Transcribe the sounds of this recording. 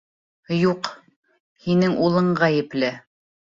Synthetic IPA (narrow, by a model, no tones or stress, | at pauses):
juq | hinɘŋʔulˠɤɴʁæjɘ̆plɘ